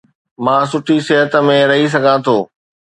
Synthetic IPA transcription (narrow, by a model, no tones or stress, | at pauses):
mãːsʊʈʰisɪɦət̪əmẽɾɐɦis̬ɐɡʱãt̪ʰoː